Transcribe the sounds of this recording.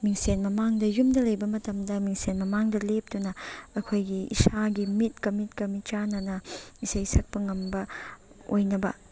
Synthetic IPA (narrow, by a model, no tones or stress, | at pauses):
miŋsenmɐmaŋdɐjumdɐlɐjbɐmɐtɐmdɐmiŋsenmɐmaŋdɐlep̚dunɐɐkʰojɡiḭsaɡimit̚kɐmitkɐmit͡ʃanɐnɐisɐjsɐk̚pɐŋɐmbɐ | o̰jnɐbɐ